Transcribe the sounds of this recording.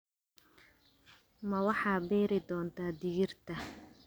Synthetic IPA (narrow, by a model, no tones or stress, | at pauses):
mɐwɑħɑːbɛːɾɪd̪ɔːnt̪ʰaːd̪ɪɣɪrt̪ʰɐ